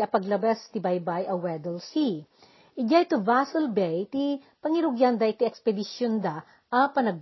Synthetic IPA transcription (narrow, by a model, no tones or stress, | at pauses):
ɐpɐɡlɐbast̪ɪbɐjbajʔɐwɛd̪ɛlsi | ʔɪɡajt̪ʊvasɛlbɛjt̪i | pɐŋɪɾʊɡjand̪ɐɪt̪iʔɛkspɛd̪ɪʃjond̪a | ʔɐpɐnɐɡ̚